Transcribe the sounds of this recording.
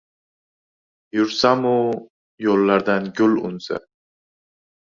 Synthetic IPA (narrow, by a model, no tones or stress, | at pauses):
jʊɾsamʊ | jolːaɾd̪anɡʲʊlʊ̰nsa̰